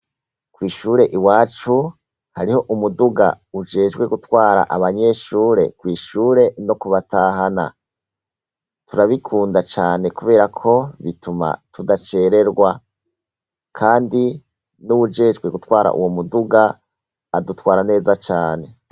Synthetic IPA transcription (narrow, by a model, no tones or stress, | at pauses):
kwiːʃuːɾe̞ʔiwaːt͡ʃu | haɾiho̞ʔumuduɡa̰ | ud͡ʒe̞ːʒɡwe̞ɡutwaːɾa̰ʔaβaɲe̞ʃuːɾe̞̰kwiːʃuːɾe̞no̞kuβataːɦana̰ | tuɾaβikʰuːndat͡ʃaːne̞kuβe̞ːɾakʰo̞βituma̰tudat͡ʃe̞ɾe̞ɾɡwa | kʰaːndi | nuwud͡ʒe̞ːʒɡwe̞ɡutwaːɾa̰ʔṵwo̞muduɡaː | dutwaːɾane̞ːzat͡ʃaːne̞